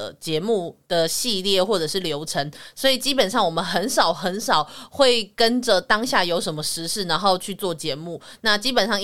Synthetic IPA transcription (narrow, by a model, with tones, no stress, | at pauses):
ə˩t͡ɕjɛ˧˥mu˥˩d̪̥ə˩ɕi˥˧ljɛ˥˨xwɔ˥˩ʈ͡ʂə˨˩ʂɻ̩˥˩ljo˧˥ʊʈ͡ʂʰə˧˥ŋswɔ˧˥i˨˩t͡ɕi˦˥pə˨˩nʂɑ˥˩ŋwɔ˨˩mə˨˦nxə˧˦nʂɑ˨˩ʊxə˧˦nʂɑ˨˩ʊxwe˥˩ɪkə˦nd͡ʒə˨t̪ɑ˥ŋɕja˥˩jo˧˥ʊʂə˧˥nmə˧ʂɻ̩˧˥ʂɻ̩˥˩na˧˦nxo˥˧ʊt͡ɕʰy˥˧t͡swɔ˥˩t͡ɕjɛ˧˥mu˥˩na˥˨t͡ɕi˥pə˨˩nʂɑ˥˧ŋ